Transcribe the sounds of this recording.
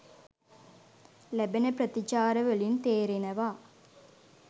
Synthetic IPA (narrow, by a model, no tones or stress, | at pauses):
læbenəpɾət̪it͡ʃaːɾəʋelint̪eːɾenəʋaː